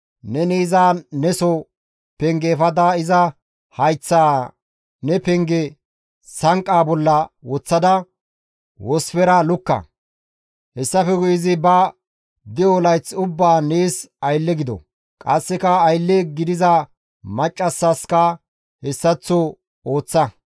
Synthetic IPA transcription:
nɛniːzaːnɛsɔ | pɛŋɡeːfɐd̪aɪzɐ | hɐjt͡sːaː | nɛpɛŋɡɛ | sɐŋkʼːaːbɔlːɐwɔt͡sːɐd̪ɐ | wɔsfɛɾalʊkːɐ̰ | hɛsːɐfɛɡʊjɪzɪbɐ | d̪ɪjɔlɐjt͡sːʊbːaːneːsɐjlːɛɡɪd̪ɔ̰ | kʼɐsːɪkɐːjlːeɡɪd̪ɪzɐ | mɐt͡ʃʼːɐsːɐskɐ | hɛsːɐt͡sːo | o̞ːt͡sːɐ

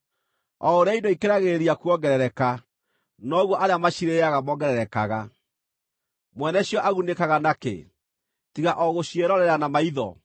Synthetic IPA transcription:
ɔoɾeaindoikeɾaɣeɾjakuɔɡɛɾɛɾɛka | nɔːɣwɔʔaɾeamaɕiɾeaɣamɔɡɛɾɛɾɛkaɣa | mwɛnɛɕijɔʔaɣunekaɣanakḛ | tiɣaʔɔɣoɕieɾɔɾɛɾanamaiðɔ̰

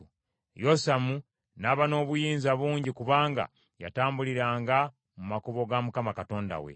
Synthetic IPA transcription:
josamu | naːβano̞ːβujiːnzaβuːɲɟikuβaːŋɡa̰ | ja̰taːmbuliɾaːŋɡa | mumakuβo̞ɡamukamakato̞ːnda̰we̞̰

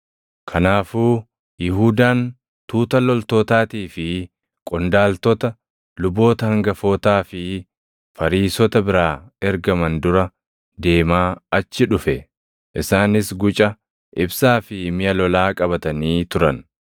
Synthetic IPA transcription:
kʰɐnaːfuː | jɪɦuːd̪aːn | t̪uːt̪ɐlɔlt̪oːt̪aːt̪iːfɪ | kʼʊnd̪aːlt̪ɔt̪ɐ | lʊbo̞ːt̪ɐhɐŋɡɐfoːt̪aːfɪ | fɐɾiːsɔt̪ɐbɪɾaːɛɾɡɐmɐnd̪ʊɾɐ | d̪e̞ːmaːɐt͡ʃːɪᶑʊfɛ | ʔɪsaːnɪsɡʊt͡ʃʼɐ | ʔɪbsaːfɪmɪjɐlɔlaːkʼɐβɐt̪ɐniːt̪ʊɾɐn

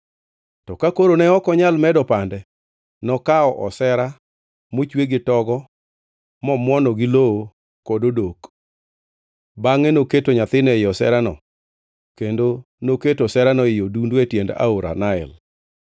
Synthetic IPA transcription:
tɔkakoɾonɛɔkɔɲalmɛdɔpandɛ | nɔkaɔʔɔsɛɾa | mot͡ʃweɡɪtɔɡɔ | mɔmwɔnɔɡɪloo | kododok | baŋɛnoketoɲat̪ɪnɛɪɔsɛ̰ɾanɔ̰ | kendo | noketosɛɾanɔɪjodundwɛtjenda̰oɾa̰naɛ̰l

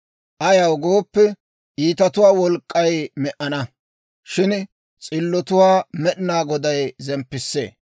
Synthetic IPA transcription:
ʔɐjɐwɡo̞ːpːɛ | ʔiːt̪ɐt̪ʊwaːwɔlkʼːɐjmɛʔɐnɐ | ʃɪn | t͡sʼɪlːɔt̪ʊwaːmɛɗɪnaːɡɔd̪ɐjzɛmpːɪsːḛː

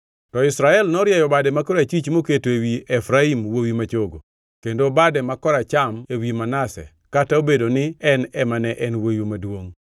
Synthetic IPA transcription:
tɔɪsɾaɛlnɔɾjajɔbadɛmakɔɾat͡ʃit͡ʃmoketoewiɛfɾaimwowimat͡ʃoɡo̰ | kendobadɛmakɔɾat͡ʃamewimanasɛ̰ | kataobedonɪɛnɛmanɛʔɛnwojumadwoŋ

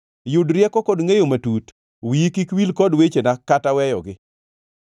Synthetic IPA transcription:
jʊdɾjɛkɔkɔdŋejomatut | wiikikwilkɔdwet͡ʃenakatawɛjɔ̰ɡɪ

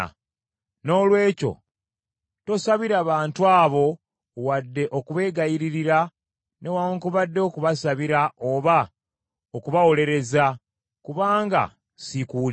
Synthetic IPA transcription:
no̞ːlwe̞ːco̞̰ | to̞saβiɾaβaːntwaːβo̞ | wadːe̞ʔo̞kuβe̞ːɡajiɾiɾiɾa | ne̞waŋkuβadːe̞okuβasaβiɾao̞βa | okuβawo̞le̞ɾe̞za | kuβaːŋɡa̰ | sikuːl

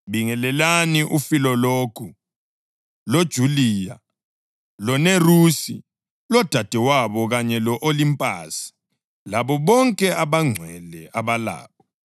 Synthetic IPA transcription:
βiŋɛlɛlaniʔufilɔlokʰu | lod̥ʒ̥ʱuliːja | lɔnerusḭ | lɔd̥ʱad̥ʱɛwaβɔɣaɲɛlɔʔolimpʼa̰ːsi̥ | laβɔβɔŋkʼɛʔaβaŋ͡ǀʱwɛlɛʔaβala̰ːβɔ

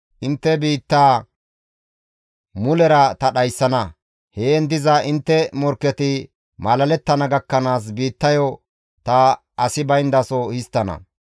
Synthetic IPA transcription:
ʔɪnt̪ːɛbiːt̪ːaː | mʊlɛɾɐt̪ɐɗɐjsːɐnɐ | heɛnd̪ɪzɐʔɪnt̪ːɛmɔɾkːɛt̪ɪ | mɐlɐlɛt̪ːɐnɐɡɐkːɐnaːs̬biːt̪ːɐjɔ | t̪ɐ | ʔɐsɪbɐjnd̪ɐsɔhɪst̪ːɐnɐ̰

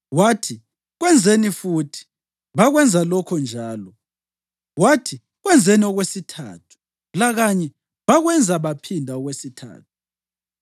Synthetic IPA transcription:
watʰi | ɣwɛnd͡zʱenifuːtʰi̥ | βaɣwɛnd͡zʱalɔkʰɔnd͡ʒʱaːlɔ | watʰi | ɣwɛnd͡zʱeniɔɣwesitʰa̰ːtʰu̥ | laɣaɲɛ | βaɣwɛnd͡zʱaβapʰindʱaɔɣwesitʰa̰ːtʰu̥

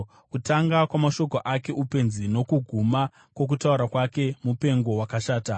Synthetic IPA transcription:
kutaŋɡakwamaʃo̞koʔake̞ʔupe̞nzino̞kuɡʱuma | kwo̞k̬utauɾakwake̞mupe̞ŋɡo̞wakaʃaːta

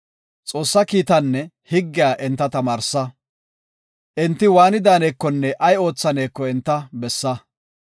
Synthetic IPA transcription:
t͡sʼo̞ːsːɐkiːt̪ɐnːɛ | hɪɡːɪjaːʔɪnt̪ːɐt̪ɐmaːɾsːɐ | ʔɪnt̪ːɪwaːnɪd̪aːneːkːɔnːɛʔɐjo̞ːt͡sːɐne̞ːkːɔɛnt̪ːɐbɛsːɐ

